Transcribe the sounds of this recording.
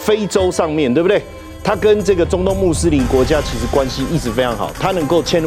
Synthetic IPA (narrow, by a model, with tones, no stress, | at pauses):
fe˥˦ɪʈ͡ʂo˦ʊʂɑ˥˧ŋmjɛ˥˨nt̪we˥˩bd̪e˥˩ɪ | t̪ʰa˦kə˦nʈ͡ʂɤ˥˩ɡə˩ʈ͡ʂʊ˥ŋt̪ʊ˥˧ŋmu˥˨s̩˥li˧˥nkwɔ˧˥t͡ɕja˦t͡ɕʰi˧˥ʂɻ̩˧˥kwa˦nɕi˦i˥˩sɻ̩˨˩˦fe˥ɪʈ͡ʂʰɑ˧˦ŋxɑ̰˨˩ʊt̪ʰa˦nə˧˥ŋko˥˩ʊt͡ɕʰjɛ˥˦n